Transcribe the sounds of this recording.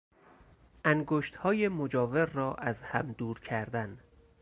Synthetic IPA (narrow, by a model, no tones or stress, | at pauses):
ʔæŋɡoːʃt̪hɒːjemod͡ʒɒːveɾːɒːʔæzhæmd̪uːɾcʰæɾd̪æn